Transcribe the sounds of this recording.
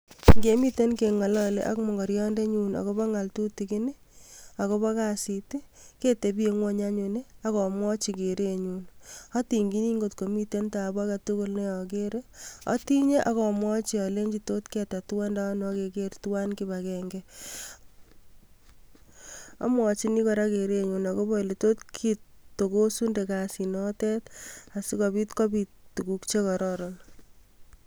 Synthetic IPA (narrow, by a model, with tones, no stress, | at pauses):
ŋɡe˨mi˦te˦nke˨ŋa˨lɔ˦lḛ˦ʔa̰˦kmɔ˨ŋɡɔ˨ɾjɔ˦nde˦ɲuna̰˨kɔ˦bɔ˦ŋa˨ltu˦ti˨kɪ˦nɪ˦ | a˨kɔ˦bɔ˦ka˦si˨ti˦ke˦te˨bi˦e˨ŋwo˦ɲa˦ɲu˨ne˦a˦kɔ˨mwɔ˦t͡ʃi˨ke˨ɾe˦ɲu˨nɔ˦ti˨ŋɡi˦niː˦ŋɡo˨tko˨mi˦te˦nta˨ba˦katʊ˦ko˦lne˦jɔ˨ke˦ɾe˦ɔ̰˦ti˦ɲe˦ʔakɔ˨mwɔ˦t͡ʃiɔ˨le˦ɲd͡ʒi˨to˦tkɛta˨tu˦wa˦nda˦n˦ke˨ke˦ɾtuwa˦nki˦bakɛŋɡɛ | a̰˦mwɔt͡ʃi˦ni˦kɔɾa˦keɾe˦ɲunako˦bɔ˦le˨to˦tkʰittːo˨ko˦su˦nde˨ka˨sinɔtɛ˦ta˨si˦kɔ˨bi˦tkɔ˦bi˨ttu˨ku˦kt͡ʃe˦kɔ˨ɾɔɾɔ˨l